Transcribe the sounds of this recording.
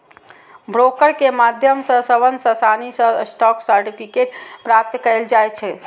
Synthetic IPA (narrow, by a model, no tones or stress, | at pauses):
bɾokəɾkemad̪ʱjəmsəsəʋənsəsanisəsʈɔksəɾʈipʰikeʈpɾap̚t̪kəld͡ʒajt͡ʃʰɛ